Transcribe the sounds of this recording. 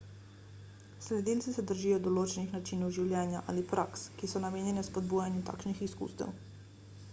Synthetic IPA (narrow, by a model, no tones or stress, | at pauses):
slɛd̪iːltsisɛd̪əɾʒiːjɔd̪ɔloːt͡ʃɛnixnat͡ʃiːnɔwʒiwljɛːnjaʔa̰ːlipɾʔakskisɔnameːnjɛnɛspɔd̪̚buːjanjut̪a̰ːkʃnixiskṵːst̪ɛ̰w